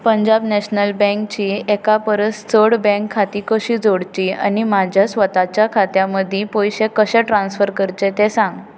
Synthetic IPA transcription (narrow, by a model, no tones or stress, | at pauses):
pəɲd͡ʑabnɛɕnəlbɛ̃ŋkt͡ɕiːɛkapəɾəst͡səɽbɛ̃ŋkʰːat̪ikəɕiːd͡zoɽt͡ɕiːa̰nimad͡ʑʱjasʋət̪at͡ɕjakʰat̪jaməd̪ʱipojɕekəɕɛʈɾãnsfəɾkəɾt͡ɕet̪esãŋɡ